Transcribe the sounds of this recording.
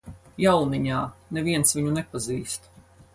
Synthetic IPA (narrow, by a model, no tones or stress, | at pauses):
jawniɲaːnɛviɛnsviɲunɛpaziːst̪